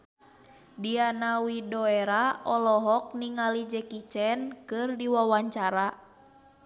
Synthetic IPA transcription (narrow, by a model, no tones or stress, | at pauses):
dianawidɔɛɾaɔlɔɦɔk̚niŋalid͡ʒɛkit͡ʃɛnkɨrdiwawaɲt͡ʃaɾa